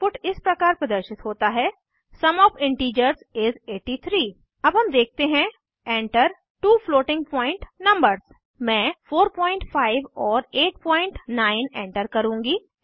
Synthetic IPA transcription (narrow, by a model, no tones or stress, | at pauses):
fʊʈɪspɾɐkaːɾpɾɐd̪əɾʃɪt̪ɦoːt̪aɦɛː | sɐmɔːpʰɪ̃ɳʈiːd͡ʒəɾzɪzeːʈit̪ʰɾiː | ɐbɦɐmd̪eːk̚ʰt̪eɦɛ̃ | ɛ̃ːɳʈəɾ | ʈuːfloːʈɪ̃ŋɡ̚pɔ̃ːɪ̃ɳʈnɐ̃mbəɾz̥ | mɛ̃ːfʰoːɾpɔ̃ːɪ̃ɳʈfʰaːɪʋɔːɾeːʈ̚pɔ̃ːɪ̃ɳʈnaːɪnɛ̰̃ːɳʈəɾkɐɾũːŋɡiː